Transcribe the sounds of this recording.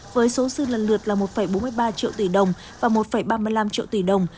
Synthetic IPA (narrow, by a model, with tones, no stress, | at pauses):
vəː˨˦jso˨˦sɨ˧lə˨˩nlɨ˨˩ət̚laː˨˩mo˨˩t̚fə˧˩jɓo˨˦mɨ˧əjɓaː˧t͡ɕḭ˧˨əwt̪i˧˩ɗə˨˩wŋ͡m | vaː˨˩mo˨˩t̚fə˧˩jɓaː˧mɨ˧əjla˧mt͡ɕḭ˧əwt̪i˧˩ɗə˨˩wŋ͡m